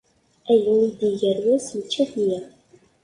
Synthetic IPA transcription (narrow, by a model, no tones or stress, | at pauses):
æjənːid̪iʝæɾwæsmət͡ʃːæθnjæ